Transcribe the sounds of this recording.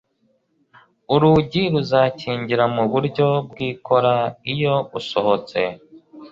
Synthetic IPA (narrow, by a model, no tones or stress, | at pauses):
uɾuɟiɾuzaciːɲɟiɾamuβuɾɟo̞bɡiːkʰo̞ɾaijo̞uso̞ho̞t͡se̞